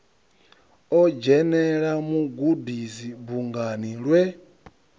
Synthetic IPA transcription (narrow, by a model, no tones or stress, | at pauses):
ɔd͡ʒɛnɛɺamuɡudizibuŋɡaniɺwɛ